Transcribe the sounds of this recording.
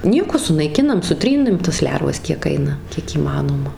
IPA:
ˈnʲiɛkoː sʊnɐɪˈkʲɪnɐm sʊˈtʲrʲiːnɨm tɐs ˈlʲɛrʋɐs kʲiɛk ˈɐɪnɐ kʲiɛk iːˈmɑːnoːmɐ

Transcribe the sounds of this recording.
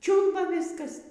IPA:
ˈt͡ʃʲuːlˠbɐ ˈʋʲɪskɐs

